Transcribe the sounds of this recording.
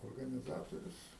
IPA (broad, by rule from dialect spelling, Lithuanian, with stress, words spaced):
oːrɡɐnʲɪˈzɑːtoːrʲʊs